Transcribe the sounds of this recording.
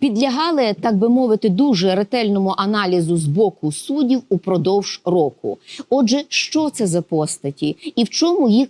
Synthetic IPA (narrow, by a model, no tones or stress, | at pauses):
pʲid̪lʲɐɦɑlˠɪt̪ɑɡ̚bɪmɔʋɪt̪ɪd̪uʒɛɾet̪ɛlʲnɔmʊʔɐnɑlʲizʊzbɔkʊsudʲiwupɾɔd̪ɔwʒ̥rɔkʊ̰ɔd͡ʒɛʃt͡ʃɔt̪sɛzɐpɔst̪ɐtʲiiwt͡ʃɔmʊjix